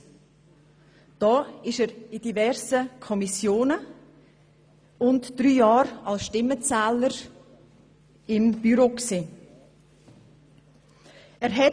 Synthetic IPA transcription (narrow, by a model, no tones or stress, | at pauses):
d̥ɔːɪʃɛːɾid̥ivɛɾsəkʰɔmisjoːnə | ʊntd̥ɾyːjɑːɾɑlsʃtɪmət͡sɛːləɾ | ɪmb̥yɾoːksiː | ɛːɾɦɛ